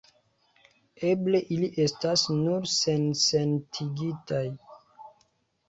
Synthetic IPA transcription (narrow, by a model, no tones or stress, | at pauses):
e̞ble̞ʔiliʔe̞stasnuɾse̞nsentʰiɡitaj